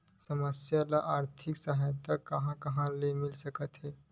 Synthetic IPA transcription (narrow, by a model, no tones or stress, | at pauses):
səməsjalaʔaɾt̪ʰiksaɦat̪akəɦãkɐɦãlemilsəkət̪ɦe